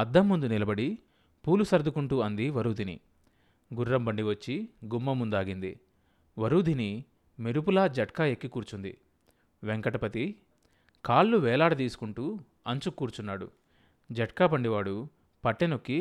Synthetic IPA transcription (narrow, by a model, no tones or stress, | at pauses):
ɐd̪ːɐmːund̪unilɐbɐɽi | puːlusɐɾd̪ukuɳʈuːɐnd̪iʋɐɾuːd̪ʱinḭ | ɡuɾːɐmbɐɳɖiʋɐt͡ʃːiɡumːɐmːund̪aːɡind̪ḭ | ʋɐɾuːd̪ʱini | meɾup̬ulaːd͡ʒɐʈkaːjekːikuːɾt͡ʃund̪ḭ | ʋeŋkɐʈɐpɐt̪i | kaːlːuʋɛːlaːɽɐt̪iːsu̥kuɳʈuː | ɐɲt͡ʃukːuːɾt͡ʃunːaːɽṵ | d͡ʒɐʈ̚kaːpɐɳɖiʋaːɽu | pɐʈːenokːi